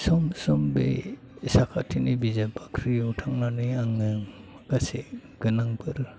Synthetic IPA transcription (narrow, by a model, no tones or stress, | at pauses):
sɔmsɔmbḛ | sakʰa̰tʰinibizabakʰɾiutʰaŋnaniaŋɯŋ | kase | ɡ̥ɯnaŋbɯɾ